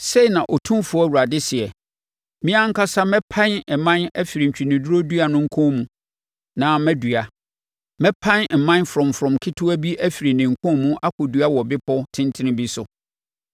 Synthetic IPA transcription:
se˦i˨nã˨ʔɔ˨tʰũ˦mfʊ˨˦æ˦˨wu˨ɾa˨dɪ˦sɪ˨ɛ˨ | mĩ˦ã˦ŋ̩˦kʰa˦sa˦mɛ̃˦pʰã˦nɛ˨mã˦næ˦fi˨ɾi˨ɲ̩˨t͡ɕᶣi˨nɪ̃˨du˦ɾo˦du˦a˨nʊ̃˦ŋ̩˦kʰʊ̃˦mũ˦ | nã˨mɛ̃˦du˨a˨ | mɛ̃˦pʰã˦nm̩˨mã˦nfɾɔ̃˨mfɾɔ̃˨mkʰɪ˦tʰʊ˦æ˦bi˦ʔæ˦fi˨ɾi˨nɪ̃˨ŋ̩˨kʰʊ̃˦mũ˦ʔa˦kʰʊ˨du˨a˦wɔ˨bɪ˦pɔ˦tʰɪ̃˦ntʰɪ̃˦nɪ̃˦bi˦sʊ˨

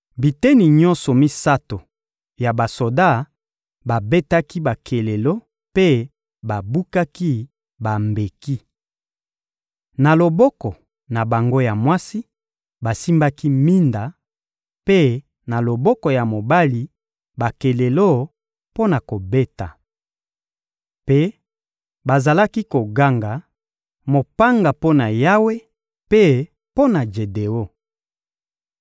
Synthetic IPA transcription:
bi˨te˦ni˨ɲɔ̃˦nsɔ˨mi˦sa˦to˨ | ja˨ba˨so˨da˦˨ | ba˨be˦ta˦ki˦ba˨kʰe˨le˨lo˦ | pe˦ | ba˨bu˦ka˦ki˦ | ba˨mbe˨ki˦ | na˨lo˨bɔ˦kɔ˨ | na˨ba˨ŋɡo˦ja˨mwa˦si˦ | ba˨si˦mba˦ki˦mi˦nda˨ | pe˦ | na˨lo˨bɔ˦kɔ˨ja˨mo˨ba˦li˨ | ba˨ke˨le˨lo˦ | po˦na˨ko˨be˦ta̰˨ | pe˦ | ba˨za˨la˦ki˦ko˨ɡa˦ŋɡa˨ | mo˨pa˦ŋɡa˨po˦na˨ja˦we˦ | pe˦ | po˦na˨d͡ʒe˨de˨o˦

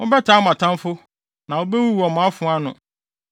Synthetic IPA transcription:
ʊ̃˦bɛ˦tʰa˨˦mã˨tʰã˦nfʊ˦ | nã˨wo˦bɛ˦wu˦wu˨ɔ˨mʊ̃˨a˦fʊ̃˨˦a˦nʊ̰̃˨

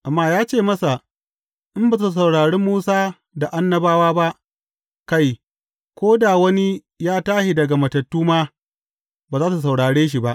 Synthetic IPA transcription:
ʔa˨mːaː˦jaː˦t͡ʃeː˦˨mɐ˦sa˨ | ʔɪ˦mba˦˨zs̬a˨wɽaː˨ɽe˦mːuː˦saː˦ | da˨ʔa˦nːɐ˨baː˦waː˦ba˦ʔ | ka˦˨j | kʷoː˦da˨wɐ˦ni˦ | jaː˦taː˦ʃi˨dɐ˨ɡa˨mɐ˨tɐ˨tːuː˦maː˦ | baː˨zaː˦s̬u˨sa˨wɽaː˨ɽeː˦ʃ̬i˨ba˦ʔ

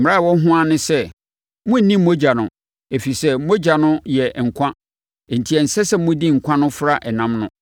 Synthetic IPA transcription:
m˨a˦˨wɔ˦ɦʊ̃˦a˦nʊ̃˦sɛ˦ | mʊ̃˦˨nĩ˦mo˦d͡ʑa˨nʊ̃˨ | e˨fi˨sɛ˦mo˦d͡ʑa˨nʊ̃˦jɛ˨ŋ̩˨kʷʰã˦˨ | n̩˨tʰi˨ɛ˨n̩˨sɛ˦sɛ˦mʊ̃˦di˦ŋ̩˨kʷʰã˦nʊ̃˦fɾa˦ʔɛ˨nã˦mnʊ̃˦

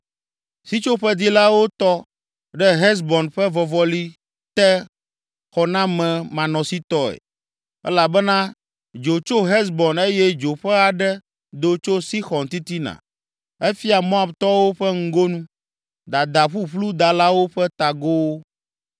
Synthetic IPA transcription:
si˦t͡ʃo˦ɸɛ˦d̪i˦la˦wo˦t̪ɔ˦ | ɖɛ˦ɦɛ˦s̬bɔ˨nɸɛ˦vɔ˨vɔ˦li˦ | t̪ɛ˦ | xɔ˨nã˦mɛ̃˨mã˨nɔ̃˨si˦t̪ɔ˦ɛ̰˨ | ɛ̰˦la˨bɛ˦nã˦ | d͡ʒo˨t͡ʃo˦ɦɛ˦s̬bɔ˨ne˦jɛ˦d͡ʒo˨ɸɛ˦a˨ɖɛ˦ | d̪o˦t͡ʃo˦si˦xɔ˨nt̪i˦t̪i˦nã̰˨ | ɛ˦fi˦a˨mõ˦a˨bt̪ɔ˦wo˦ɸɛ˦ŋ̩˦ɡo˦nũ˦ | d̪a˨d̪a˨ɸu˦ɸlu˦d̪a˨la˦wo˦ɸɛ˦t̪a˨ɡo˦wo˦

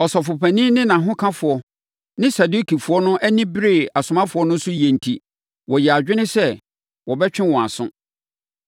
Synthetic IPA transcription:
ɔ˨sɔ˨fʊ˨pʰæ̃˨nĩ˦nɪ̃˦nã˨ɦʊ̃˦kʰã˦fʊ˨ɔ˨ | nɪ̃˦sa˨du˦kʰi˨fʊ˨ɔ˦nʊ̃˦ʔæ˦nĩ˦bɾe˦˨a˨sʊ˨mã˦fʊ˨˦ɔ˦nʊ̃˦n˦sʊ˦jɛ˨n̩˨tʰi˨ | wɔ˨jɛ˨a˨d͡ʑᶣɪ˦nɪ̃˦sɛ˦ | wɔ˨bɛ˦t͡ɕᶣɪ̃˦wɔ̃˨a̰˨sʊ̰̃˦

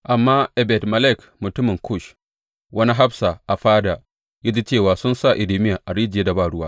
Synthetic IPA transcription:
ʔa˨mːaː˦ʔɛ˨bɛ˨tmɐ˨lɛ˦˨k | mʊ˨tʊ˦mɪ˨ŋkʰʊ˦˨ʃ | wʔɐ˦ni˦ɦa˦bsa˨ʔa˨ɸaː˦daː˨ | ja˦d͡ʒi˦t͡ʃeː˦˨waː˨sʊ˦nsa˦˨ʔɪ˨liː˦mɪ˦ja˨ʔa˨ɽiː˦d͡ʒɪ˨e˦da˨baː˦˨ɽʊ˦waː˦

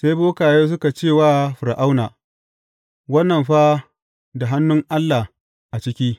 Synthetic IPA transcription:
se˦jboː˦kaː˨joː˦s̬ʊ˦ka˨t͡ʃeː˦˨waː˦ɸʊ˨ɾʔa˦wnaː˨ | wɐ˦nːɐ˨mɸa˦ | da˨ɦa˦nːʊ˦ŋʔa˦lːa˨h | ʔa˨t͡ʃɪ˦kʲiː˦

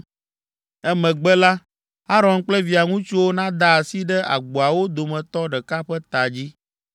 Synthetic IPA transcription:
ɛ˦mɛ̃˨ɡ͡bɛ˦la˦ | a˦ɾɔ̃˨nk͡plɛ˦vi˨a˨ŋũ˦t͡ʃi˦wo˦nã˦d̪a˦a˨si˦ɖɛ˦a̰˨ɡ͡bo˨a˨wo˦d̪o˨mɛ̃˨t̪ɔ˦ɖɛ˨ka˦ɸɛ˦t̪a˨d͡ʑi˦

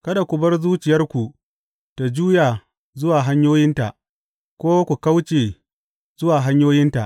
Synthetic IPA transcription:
kɐ˦da˨kʷʊ˨bɐ˦rzuː˦t͡ʃɪ˨jɐ˦rkʷu˨ | ta˨d͡ʒuː˦jaː˨ | zʊ˦waː˨ɦa˦ɲjoː˦jɪ˦nta˨ʔ | kʷoː˦kʷu˨ka˦wt͡ʃeː˨ | zʊ˦waː˨ɦa˦ɲjoː˦jɪ˦nta˨ʔ

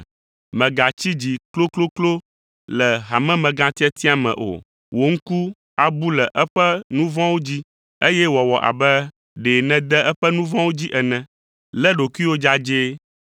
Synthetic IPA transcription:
mɛ̃˨ɡa˨t͡ɕi˦d͡ʑi˨klo˦klo˦klo˦ | lɛ˨ɦa˨mɛ̃˦mɛ̃˨ɡã˦t̪i˦ɛ˦t̪i˦a˨mɛ̰̃˨ʔo̰˨ | wo˨ŋ̩˦ku˦ | a˦bu˦lɛ˨ʔɛ˦ɸɛ˦nũ˦vɔ̃˦wo˦d͡ʑi˦ | e˦jɛ˦wɔ˨wɔ˨ʔa̰˨bɛ˦ | ɖe˨nɛ̃˦d̪ɛ˦ʔɛ˦ɸɛ˦nũ˦vɔ̃˦wo˦d͡ʑi˦ʔɛ˨nɛ̃˨ | lɛ˦ɖo˨kwi˦wo˦d͡ʒa˦d͡ʒe˦

